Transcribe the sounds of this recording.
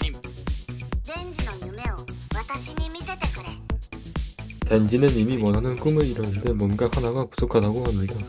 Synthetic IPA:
nend͡ʑinʌnːɯmeomat̪͈aɕʰinimisʰet͈ek͈ʰɯɾe | tand͡ʑinɯnimimwʌnanɯnk͈ɯmɯɭiɾʌnɯnde̞mwʌnɡahanaɡaku̥sʰokʰadaɡoɦamɲida

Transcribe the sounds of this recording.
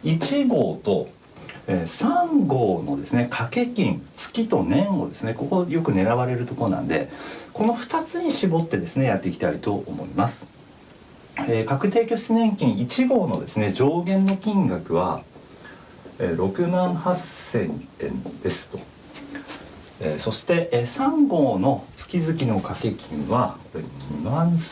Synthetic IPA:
it͡ɕiɡo̞ːt̪o̞ | eːsãŋɡo̞ːno̞d̪e̞sɨne̞kʰake̞kʲĩnt͡sɨ̥kʲit̪o̞nẽ̞ɰ̃o̞̰d̪e̞sɨne̞ko̞ko̞jo̞kɯ̟ne̞ɾaβaɾe̞ɾɯ̟t̪o̞ko̞ɾonã̰nd̪e̞̰ko̞no̞ɸɯ̟̥t̪at͡sɨɲ̟iɕibo̞t̪ːe̞d̪e̞sɨnejat̪ːe̞kʲi̥t̪aɾʲit̪o̞ʔomo̞̰imasɨ̥ | eːkakɯ̟t̪̬e̞ːkʲo̞ɕi̥t͡sɨnẽ̞ŋkʲĩɰ̃it͡ɕiɡo̞ːno̞d̪e̞sɨne̞d͡ʑo̞ːɡẽ̞nːo̞kʲĩŋɡakɯ̟βa̰ | eɾo̞kɯ̟mãɰ̃hasẽ̞nḛ̃nd̪̥e̞sɨ̥t̪o̞̥ | eːso̞ɕi̥t̪e̞ʔsãŋɡo̞ːno̞t͡sɨ̥kʲizɨkʲino̞kake̞kʲʰĩɰ̃βako̞ɾe̞̰ɲimãs

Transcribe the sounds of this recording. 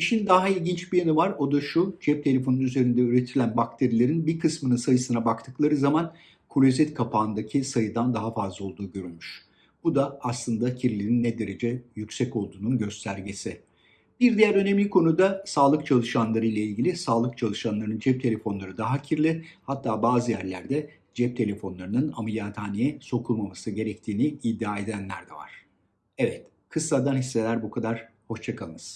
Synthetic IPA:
iʃind̪aɦailʲɟint͡ʃbijanɯvaɾo̞d̪aʃud͡ʒɛp̚t̪ʰe̞lʲe̞fo̞nunyze̞ɾind̪ɛyɾe̞t̪ʰilʲænbak̚t̪ʰe̞ɾilʲe̞ɾinbiɾkʰɯsmɯnɯnsajɯsɯnabakt̪ʰɯklˠaɾɯzaman | kʰolʲozɛt̪kʰapʰaːnd̪acʰisajɯd̪and̪aɦafazlˠao̞lˠd̪uːɟø̞ɾylʲmyʃ | b̥ud̪aːslˠɯnd̪acʰiɾlʲeɾinːɛd̪e̞ɾe̞d͡ʒɛjycʲsɛco̞lˠd̪uːnunɟø̞st̪ʰæɾɟesɪ | biɾd̪ijæɾønemʲikʰo̞nud̪asaːlˠɯk̚t͡ʃʰalˠɯʃanlˠaɾɯjlʲˠailʲɟilʲisaːlˠɯk̚t͡ʃʰalˠɯʃanlˠaɾnɯnd͡ʒɛp̚t̪ʰe̞lʲe̞fo̞nlˠaɾɯd̪aɦacʰiɾlʲɪhat̪ʰːaːbaːzɯjæɾlʲæɾd̪ɛ | d͡ʒɛp̚t̪ʰe̞lʲe̞fo̞nlˠaɾɯnɯnamilʲaːt̪ʰaːnejɛso̞kʰuɾmamasɯɟe̞ɾɛct̪ʰiːniid̪ːaːe̞d̪ænlʲæɾd̪ɛ̰va̰ɾ̝̥ | ɛvɛt̪ | kʰɯsːad̪anhisːe̞lʲæɾbukʰad̪aɾ̥ho̞ʃt͡ʃʰakʰalˠɯnɯz̥

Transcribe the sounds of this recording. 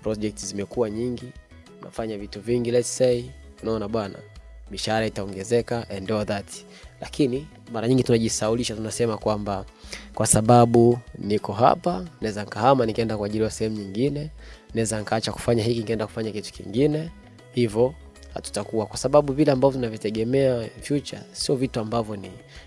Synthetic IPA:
pɾɔʄɛk̚tzimɛkuwaɲiŋɡi | na̰faɲavituviŋɡilɛssɛi | unaɔnaɓwana̰ɓiʃaɾaitaɔŋɡɛzɛkaʔɛndɛɔðatʰi̥ | la̰kini | maɾaɲiŋɡitunaʄisauliʃatunasɛmakwambakwasaɓaɓunikɔɦa̰panaɛzankahamanikɛndakwaʄiliwasɛhɛmuɲiŋɡinɛnaɛzanikaat͡ʃaku̥faɲahikinikɛndaku̥faɲakitu̥kḭŋɡinɛ | hivjɔ | ha̰tu̥takuwakwasaɓaɓuvilɛambavɔunavitɛɠɛmɛavjut͡ʃa̰siɔvituambavjɔni

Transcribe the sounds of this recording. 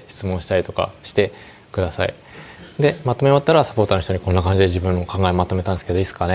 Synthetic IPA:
ɕi̥t͡sɨmõɕi̥t̪aɾit̪o̞ka̰ɕi̥t̪e̞ | kɯ̟d̪asa̰ḭ | d̪e̞mat̪o̞meat̪ːaɾasḁpo̞ːt̪oano̞çit̪o̞ɲ̟iko̞nːakãɲ̟d͡ʑid̪e̞ʑibɯ̟̃nːo̞kãŋɡaemat̪o̞me̞t̪ãnd̪esɨ̥ked̪o̞isɨ̥kane

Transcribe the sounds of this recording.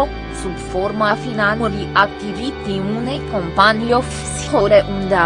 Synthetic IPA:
o | subfoɾmafinanuɾiʔak̚t̪ivit̪iunejkompaniof | si̥hoɾeʔund̪a

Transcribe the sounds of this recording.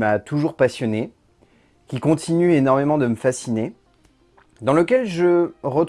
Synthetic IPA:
mat̪ʰuʒuʁpasjɔne | kʲikɔ̃t̪ʰinyenɔʁmemɑ̃d̪əməfasine | d̪ɑ̃ləkʲɛlʒəʁət̪

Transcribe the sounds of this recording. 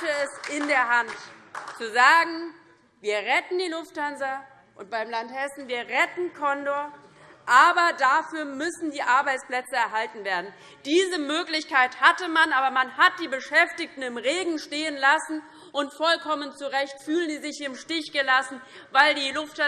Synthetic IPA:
təɛsɪndeːɐɦantt͡suzaːɡŋ̩ | viːɐʁɛtn̩diːlʊfthanzɐ | ʔʊnt̚b̥aɪmlanthɛsn̩viːɐʁɛtn̩kʰɔndoɐ | ʔaːbɐdafyːɐmʏsn̩diːʔaɐbaɪt͡spl̥ɛt͡səɛɐɦaltn̩veːɐdn̩ | d̥iːzəmøːklɪçkaɪthatəmanʔaːbɐmanhat̚d̥iːbəʃɛftɪçtn̩ɪmʁeːɡŋ̩ʃteːənlasn̩ | ʔʊntfɔlkʰɔmənt͡suʁɛçtfyːlənziːzɪçɪmʃtɪçɡ̥əlasn̩ | vaɪldiːlʊftha

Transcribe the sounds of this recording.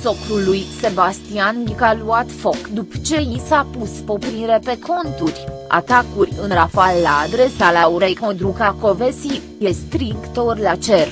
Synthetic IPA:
so̞kɾulujse̞bast̪ianlikaluat̪fokd̪upt͡ʃe̞jisapuspo̞pɾiɾe̞pe̞kʰo̞nt̪urʲ | a̰t̪akurʲɨnɾafalːaːd̪ɾe̞salauɾejkod̪ɾukako̞ve̞si | jest̪ɾikt̪orlat͡ʃer

